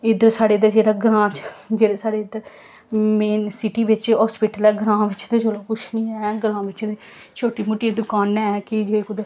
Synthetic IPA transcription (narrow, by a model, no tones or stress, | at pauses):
ɪd̪əɾsaːɽeːd̪ed͡ʒeːɽaːɡɾãːt͡ʃd͡ʒeːɾeːsaːɽeːd̪əɾ | meːsɪʈiːʋɪt͡ʃɦɔːspɪʈəlɛːɡɾãːʋɪt͡ʃd̪eːd͡ʒoːlaːkʊt͡ʃʰnĩːɛːɡɾãːʋɪt͡ʃd̪eː | t͡ʃʰoːʈiːmʊʈiːd̪ʊkaːnɛːkɪd͡ʒeːkʊd̪e